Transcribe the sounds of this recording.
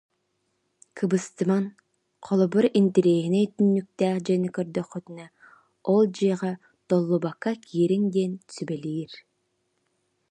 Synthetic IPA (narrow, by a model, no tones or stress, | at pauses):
kʰɯbɯst̪ɯman | qʰɔlˠɔbɯɾint̪iɾeːɦinɛt̪ynːyk̚t̪æːd͡ʒɛnikœɾd̪œχœt̪ɯna | ɔlˠd͡ʒɯjʁɑ | t̪ɔlˠːubakːakʲʰiːɾiŋd̪ɛnsybɛlʲiːɾ